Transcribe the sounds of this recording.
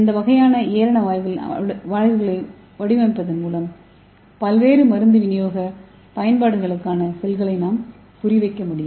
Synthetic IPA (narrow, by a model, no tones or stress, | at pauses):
ɪnd̪ɐʋɐɣɐjaːnɐeːɾɐɳɐʋaːjʋɪl̰ʋaːɻʋɯɣɐɭɐɪ | ʋɐɽɪʋɐɪpːɐðɐnmuːlɐm | pɐlʋeːɾɯmɐɾɯnd̪ɯʋɪnɪjoːɣɐ | pɐjɐnpaːɽɯɣɐɭɯkːaːnɐsɛlɣɐɭɐɪnaːm | kʊrɪʋɐɪkːɐmʊɽɪjɯm